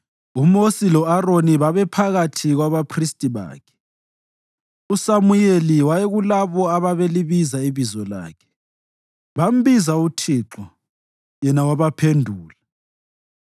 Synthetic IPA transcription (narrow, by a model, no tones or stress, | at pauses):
umosilɔaroniβaβɛpʰaɣatʰiɣwaβapʰristʼiβa̰ːkʰɛ̥ | usamujeliwajɛɣulaβɔaβaβeliβizaiβizɔla̰ːkʰɛ̥ | βam̩βizautʰiǁɔ | jɛnawaβapʰendʱuːla